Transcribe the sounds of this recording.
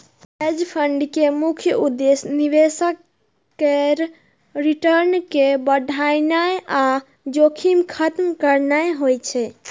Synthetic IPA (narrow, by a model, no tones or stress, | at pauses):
ed͡ʒpʰəɳɖkemukʰjəud̪esniʋesəkː | eɾ | ɾiʈəɾnkebəɖʱajnaeʔa | d͡ʒokʰimkʰət̪mkəɾnaeɦojt͡ʃʰɛ